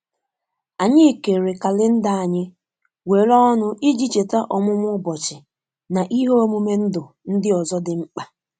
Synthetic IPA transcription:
a˨ɲɪ˦e˨ke˨ɾe˨ka˨lɪ˦n̩˦da˨a˨ɲɪ˦ | we˨ɾɔ˦nʊ˦ʔi˦d͡ʒi˦t͡ʃe˨ta˦ʔɔ˨mʊ˦m˦ʊ˦bɔ˨t͡ʃɪ˨ | na˨ʔi˦ɦo˦o˦mu˦me˦n̩˦dʊ˨ | n̩˦dɪ˦ɔ˨zɔ˦dɪ˨ŋ͡m̩˦k͡pa˦

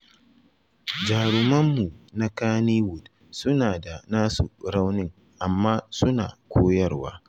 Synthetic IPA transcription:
d͡ʒaː˨ɽʊ˨mɐ˦mːu˨na˦kaː˦niː˦wʊ˨d | sʊ˦naː˨da˨naː˦sṵ˨ɽa˦wnɪ˦ŋ | ʔa˨mːaː˦sʊ˦na̰ː˨kʷʰoː˦jɐ˦˨rwa̰ː˦

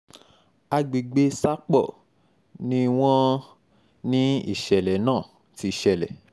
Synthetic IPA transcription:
a˧ɡ͡bi˨ɡ͡be˦sa˦k͡pɔ˦˨ | nĩ˧w̃ɔ̃˧ | nĩ˦ḭ˦˨ʃɛ˨lɛ˨˦nãː˦˨ | ti˨˧˨ʃɛ˨lɛ̰˨

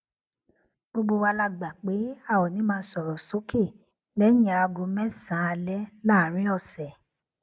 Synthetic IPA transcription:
bo˧ɡ͡bo˧wa˧la˧ɡ͡ba˨k͡pe˨˦a˦˨wɔ˨nĩ˨˦mãː˦˧˦sɔ˨ɾɔ˨so˨˦kʰe˦˨ | lɛ˦jĩ˨a˨˧ɡo˧mɛ̃˦sã˨˦a˧lɛ˦la˦˨˦ɾ̃ĩ˦ɔ˦˨sɛ˨

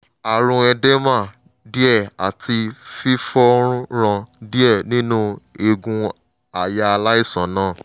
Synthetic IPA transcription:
a˨ɾ̃ũ˧ɛ˧dɛ˦mã˦˨ | di˦ɛ˦˨a˨ti˧fi˦fɔ˦ɾ̃ũ˦ɾ̃ã˧di˦ɛ˦˨nĩ˦nũ˦e˧ɡũ˧ | a˨ja˧a˧la˦i˦˨sã˨˦nãː˦˨

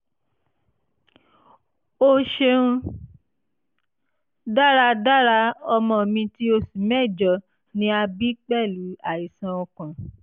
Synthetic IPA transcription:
o˧ʃe˧ũ˧ | da˦ɾa˧da˦ɾa˧ɔ˧mɔ̃˧˨mĩ˧ti˦o˧si˨mɛ˦˨d͡ʒɔ˨ | nĩ˧˦a˧bi˦k͡pɛ˦˨lu˨˦a˨i˨sã˧ɔ˧kã˨

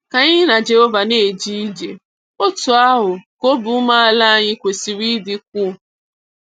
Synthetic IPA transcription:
ka˨ɲɪ˦ɦɪ˦na˨d͡ʒe˨ɦo˦va˨ne˦˨d͡ʒi˦i˦d͡ʒe˨ | o˦tʊ˨a˦ɦʊ˨ko˦bʊ˨˦ma˦a˨˦la˦˨ɲɪ˦kʷe˨si˨ɾi˦dɪ˦k̚ʷu˦

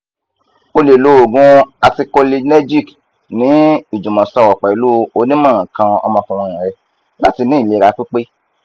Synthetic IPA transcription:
o˧le˨lo˨˦o˨ɡũ˦a˧ti˧ko˧li˧nɛ˦d͡ʒi˦˨k | nĩ˨˦i˨d͡ʒũ˨mɔ̃˨sɔ˦˨wɔ˨k͡pɛ˨i˨˦lu˦˨o˧˦nĩ˦mãː˦˨ã˨kã˧ɔ̰˧mɔ̃˧kũ˧w̃ɔ̃˧˨ĩ˨ɾɛ˧ | la˦ti˧nĩ˦i˦˨le˨˦˨ɾa˧˦k͡pi˦k͡pe˦

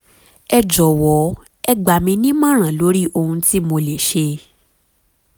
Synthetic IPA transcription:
ɛ˧d͡ʒɔ˨wɔ˨˦ | ɛ˧ɡ͡ba˨mĩ˧nĩ˦mã˦ɾ̃ã˨lo˨˦ɾi˦ʔo˧hũ˧ti˦mo˧le˨ʃe˧

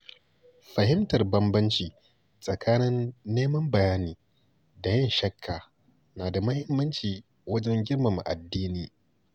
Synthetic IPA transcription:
ɸɐ˨hɪ˦mtɐ˨rbɐ˦mbɐ˦nt͡ʃiː˨ | sʼɐ˨kʰaː˦nɪ˦nːeː˦mɐ˦mbɐ˨jaː˦niː˨ | da˨jɐ˦nʃɐ˦kʰːaː˨ | naː˨da˨mɐ˦hɪ˦mːɐ˦nt͡ʃiː˨ | wɐ˦d͡ʒɛ˦ŋɡʲɪ˦rmɐ˨mṵ˨ʔa̰˨dːiː˦niː˨

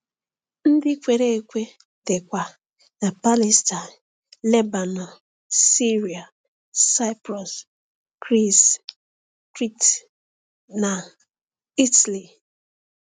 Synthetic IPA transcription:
n̩˦dɪ˦kʷe˨ɾe˦e˦kʷe˦ | tɪ˨kʷa˨ | na˨pa˦li˦sta˨n | le˦ba˨nɔ˨ | si˦ɾi˨a˨ | sa˦ɪ˦pɾɔ˨s | kɾi˦s | tɾi˦t | na˨ | i˦tli˨

